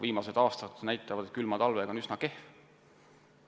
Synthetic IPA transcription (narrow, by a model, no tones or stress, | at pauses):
viːmɑsed̪̥ɑːst̪ɑt̪næjt̪ˑːɑvɑd̪et̪̚kylmɑt̪ɑlveɡ̥ɑonyznɑke̞hv